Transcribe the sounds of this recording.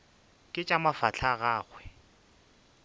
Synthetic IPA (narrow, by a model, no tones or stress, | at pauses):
kʼɪt͡ʃʼamafat͡ɬʰaɣaːɣwɛ